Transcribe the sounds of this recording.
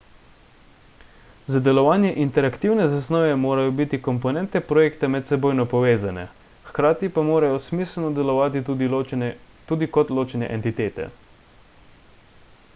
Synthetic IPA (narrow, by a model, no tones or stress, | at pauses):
zad̪ɛlɔʋaːnjɛʔint̪ɛɾakt̪iːwnɛzasnɔːʋɛmoːɾajɔbit̪ikɔmpɔnɛnt̪ɛpɾɔjeːkt̪amɛt̪sɛboːjnɔpɔʋeːzanɛ̰ | xkɾaːt̪ipamoːɾajɔsmiːsəlnɔd̪ɛlɔʋaːt̪i | t̪uːd̪ikɔt̪loːt͡ʃɛnɛ̰ʔɛnt̪it̪eːt̪ɛ̰